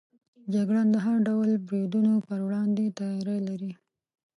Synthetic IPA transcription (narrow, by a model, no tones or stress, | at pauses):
d͡ʒaɡɽand̪əɦaɾɖawlbɾed̪unopəɾwɽɑnd̪et̪ɑjɑɾejlaɾi